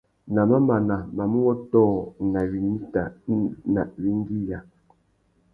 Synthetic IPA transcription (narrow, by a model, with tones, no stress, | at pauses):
na˨ma˦ma˨na˨ma˨mu˦wɔ˦tɔː˦˨na˨wi˨ni˦ta˨na̰˨ʔwi˦ŋ˦ɡi˦ja˨